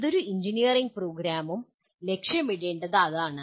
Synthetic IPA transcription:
ðo̞ɾuiɲd͡ʑinijɐriŋɡ̚proːɡɾaːmum | le̞kʂjɐmiɽeːɳɖɐðɐðaːɳɨ

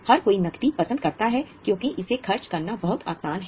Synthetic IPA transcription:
hɐɾkoːinɐkt̪ipɐsə̃nd̪̚kɐɾt̪aɦɛkjõːkiʔɪsexʰɐɾt͡ʃkɐɾnabɐɦʊt̪a̰ːsaːnɦɛ

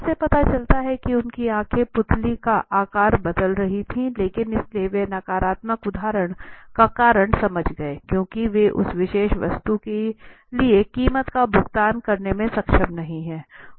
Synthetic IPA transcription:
sepɐt̪at͡ʃɐlt̪aɦɛkiʊnkiaːkʰepʊt̪likaʔaːkaːɾbɐd̪əlɾɐɦit̪ʰĩleːkɪnɪslieʋenaːkaːɾaːt̪məkʊd̪ʱaːɾəɽ̃kakaːɾəɽ̃sɐməd͡ʒʱɡɐekjõːkiʋeʔʊ̰sʋɪʃeːʃʋɐ̰st̪uke | liekiːmət̪kabʱʊɡt̪aːnkɐɾnemẽsɐkʃəmnɐɦĩɦɛː

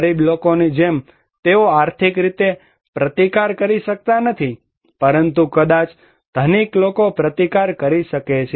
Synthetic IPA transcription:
ɾiblokonid͡ʒem | t̪eoaɾt̪ʰikɾit̪e | pɾət̪ikaɾkəɾiʃək̚t̪anət̪ʰi | pəɾənt̪ukəd̪at͡ʃ | d̪̥ʱəniklokopɾət̪ikaɾkəɾiʃəket͡ʃʰe

